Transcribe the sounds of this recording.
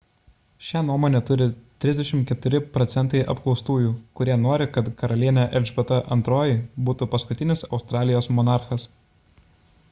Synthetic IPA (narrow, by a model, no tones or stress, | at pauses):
ʃʲænuɔmoːnʲɛt̪ʊɾʲɪt̪ʲɾʲɪzd̪ʲɛʃʲɪmkʲɛt̪ʊɾʲɪpɾɔt̪sʲɛnt̪ɐɪʔɐ̰pklˠɒʊst̪uːjuːkʊɾʲiɛnoːɾʲɪkɐt̪kɐɾɐlʲiɛnʲæʔɛlʲd͡ʒʲbʲɛt̪ɐʔɐ̰nt̪ɾoːjɪbuːt̪upɐskʊt̪ʲɪnʲɪsɒʊst̪ɾɑːlʲɪjoːsmɔnɑˑɾxɐs